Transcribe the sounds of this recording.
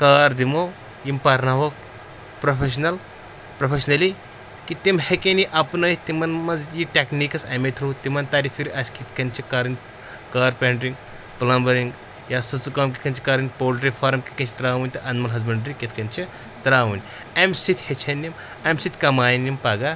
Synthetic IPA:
kaːɾd̪imoː | jimpɐɾnaɦoːk | pɾopʰeʃ̬nɐl | pɾopʰeʃnɐli | kit̪imhekeniʔɐpnɐit̪imɐnmɐzjiʈʲeknikɐsɐmet̪ʰɾuːt̪imɐnt̪aːɾifʰiɾiʔɐsʲkit̪kɐnʲt͡ʃʰikaːɾɐnʲ | kaːɾpeːɳʈɾiŋɡ | pɐlɐmbɐɾiŋɡ | jaːsɐt͡sukaːmkit̪kɐnʲt͡ʃʰi̥kaːɾinʲpoːlʲʈɾifʰaːɾmki̥kɐnt͡ʃʰt̪ɾaːʋunʲt̪ɐʔɐnmɐnɦɐzbɐɳɖɾikʲet̪kɐnʲt͡ʃʰi | t̪ɾaːʋunʲ | ɐmsit̪ʰhet͡ʃʰɐnːim | ɐmsit̪ʲkɐmaːjinːimpɐɡa

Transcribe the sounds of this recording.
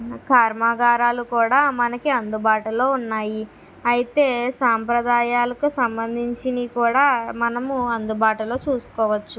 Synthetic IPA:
kʰaːɾmaːɡaːɾaːlukuːɽaːmɐnɐkiɐnd̪ubaːʈulo̞ːunːaːji | ɐjit̪e̞ːsaːmpɾɐd̪aːjaːlɐkusɐmbɐnd̪ʱiɲt͡ʃinikuːɽaːmɐnɐmuɐnd̪ubaːʈulo̞ːt͡ʃuːsu̥kɔːʋɐt͡ʃːu

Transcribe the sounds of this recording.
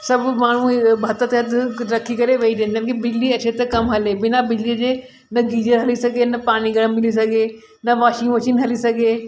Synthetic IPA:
sɐbʱmaːɳ̤̃ũbʱɐt̪ət̪eɐd̪ʱɾɐkʰikɐɾeʋeid̪eːnd̪ɐnkibɪd͡ʑliɐt͡ɕʰet̪ɐkɐmɦɐlebɪnabɪd͡ʑlid͡ʑe | nɐɡʱiːd͡ʒəɾɦɐlisɐɡʱenɐpaːɽ̃iɡɐɽ̃mɪlis̬ɐɡʱe | nɐʋaːʃiũʋɐʃinɦɐlisɐɡʱeː

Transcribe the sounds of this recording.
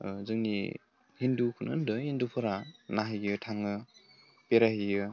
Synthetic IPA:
zɯŋnḭ | hindukʰunɯ̰ndɯhindupʰɯɾanaɦɯjɯtʰaŋɯ | peɾaɦijɯ

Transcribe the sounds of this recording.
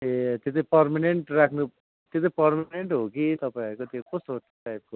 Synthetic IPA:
et̪jet̪ʌpʌrmaneɳʈrakʰnu | t̪et̪̬ʌpʌrmneɳʈɦokit̪ʌpaɾkot̪jõkosoɦ | ʈajp̚ko

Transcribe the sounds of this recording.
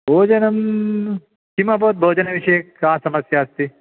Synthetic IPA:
bʱoːd͡ʒɐnɐm | kimɐboːt̪̚bʱoːd͡ʒɐnɐʋiʃɐjekaːsɐmɐsjaːst̪i

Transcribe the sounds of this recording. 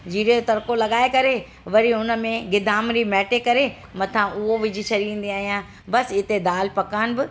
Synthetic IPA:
d͡ʑiːɽeot̪ɐɾkolɐɠaːekɐɾe | ʋɐɾiɦʊnə̆mẽɡɪd̪ʱaːmɾimɛːʈekɐɾe | mɐt̪ʰãʔʊɦoʋɪd͡ʑʱit͡ɕʰɐɾiĩːn̆d̪iaːɦijãː | bɐsɪt̪ed̪aːlpɐkaːnɪ̆bɪ

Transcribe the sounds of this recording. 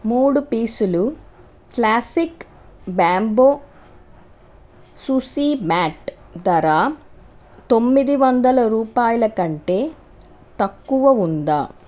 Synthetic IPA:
muːɽupiːsulu | klaːsik | baːmboː | susiːmaːʈ | d̪ɐɾaː | t̪o̞mːid̪iʋɐnd̪ɐlɐɾuːpaːjɐlɐkɐɳʈe̞ː | t̪ɐkːuʋɐund̪aː

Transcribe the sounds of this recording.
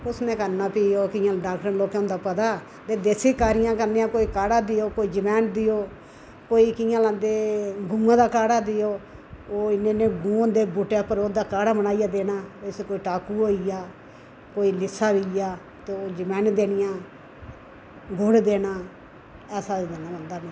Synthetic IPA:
ʊsnẽːkəɾnaːpiːoːkɪjãːɖaːkʈənloːkeʊ̃ːnd̪aːpət̪aː | t̪eːd̪eːseːkaːɾɪjãːkəɾniːãːkoːiːkaːɽaːd̪ɪjoːkoːiːd͡ʒəmɛːnd̪ɪjoː | koːiːkɪjãːlãːnd̪eːɡũːãːd̪aːkaːɽaːd̪ɪjoː | oːɪnẽːnẽːɡũːõnd̪eːbʊʈeːpəɾoːd̪aːkaːɽaːbənaːijaːd̪eːnaːeskoːiːʈaːkuːɦoːijaː | koːiːlɪsːaːʋijaː | t̪eoːd͡ʒəmɛ̃ːnd̪eːnɪjãː | ɡoɽd̪eːnaː | ɛːsaːd̪eːnãːbənd̪aːmɛ̃ː

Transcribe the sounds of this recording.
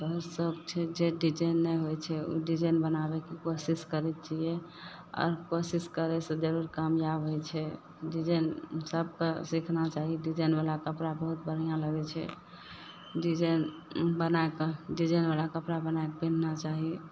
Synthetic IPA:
bəɦusəɡt͡ʃʰɛd͡ʒeɖid͡ʒəjnːɛɦojt͡ʃʰɛṵɖid͡ʒənbənabɛkekosiskəɾɛt̪̚t͡ʃjɛ | ɔ̰ːɾkosiskəɾɛsẽd͡ʒəɾuɾkamjabɦojt͡ʃʰɛ | ɖid͡ʒənsəb̚kesikʰnat͡ʃaɦiɖid͡ʒənbalakəpɾabəɦut̪̚bən̤ijãləɡɛt͡ʃʰɛ̰ | ɖid͡ʒən | bənaekɖid͡ʒənbalakəpɾabənaekbin̤nat͡ʃaɦi

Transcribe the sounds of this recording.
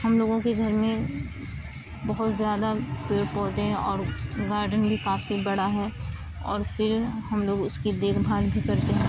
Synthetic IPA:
hɐmloːɡõkiɡ̪ʱɐɾmiẽ | bɐɦʊt̪zjaːd̪apeːɽpɔːt̪eɦɛ̃ʔɔːɾɡaːɾɖənbʱikaːfibɐɽaɦɛ̃ | ɔ̰ːɾfʰɪɾhɐmloːɡʊskid̪eːkʰbʱaːlbʱikɐɾt̪eɦɛ̃ː

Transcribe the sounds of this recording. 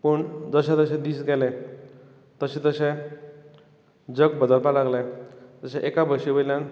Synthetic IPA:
pəɳd͡zəɕẽt̪əɕẽd̪iːsɡɛle | t̪əɕẽt̪əɕẽ | d͡zəɡbəd̪əlpalaɡlet̪əɕẽʔekabʱəɡɕiʋəjljãn

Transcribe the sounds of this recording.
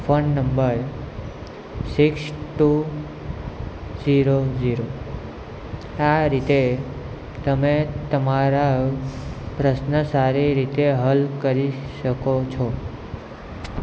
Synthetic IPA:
fənːəmbəɾ | siksʈu | d͡ʒiɾod͡ʒiɾo | aɾit̪e | t̪əmet̪əmaɾa | pɾəʃnəsaɾiɾit̪eɦəlkəɾiʃəkot͡ʃʰɔ

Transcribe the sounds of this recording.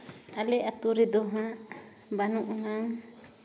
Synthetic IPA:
alɛʔat̪uɾid̪ɔɦãʔ | banuʔɔɦaŋ

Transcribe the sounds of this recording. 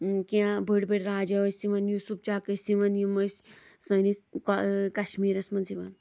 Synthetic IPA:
kiãbʱəɽbeɽʲɾaːd͡ʒɐʋɐsiʋɐnjusup̚t͡ʃaːkɐsiʋɐnjimɐs | sɐniskkɐʃmiːɾɐsmɐnsiʋɐn

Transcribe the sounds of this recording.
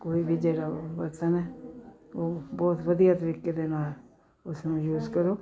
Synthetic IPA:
koːibʱid͡ʒɛːɽabəɾt͡ʃənɛː | oːbɔːt̪ʋəd̪ijat̪əɾiked̪eːnaːl | ʊsmʊ̃juːzkəɾoː

